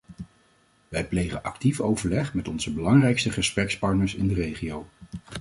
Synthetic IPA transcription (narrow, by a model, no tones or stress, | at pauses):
ʋɛjplejχənʔɑktifowvəɹlɛχmɛtɔnzəbəlɑŋrɛjkstəχəsprɛkspɑɹtnəɹsɪndərejχiow